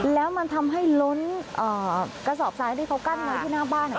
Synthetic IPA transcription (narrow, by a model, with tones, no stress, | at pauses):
lɛː˨˦wma˧nt̪ʰa˧mɦa˧˥˩jlo˨˦nʔəː˨˩kaː˨˦jzɔ˧˩p̚saː˨˦jɗi˧˩ka˨˦wka˧˩nmaː˨˦t̪ʰi˧˩naː˧˩ɓaː˧˩na˨˩